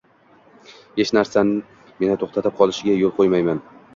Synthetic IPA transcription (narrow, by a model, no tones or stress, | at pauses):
he̞ʃnaɾsanɪ | me̞nɪt̪ʰoχt̪ʰat̪ɪp̚qʰɒlˠɪʃɪɡʲajolˠqʰojmajman